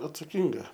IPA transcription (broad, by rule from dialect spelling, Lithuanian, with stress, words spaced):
ɐtsɐˈkʲɪŋɡɐ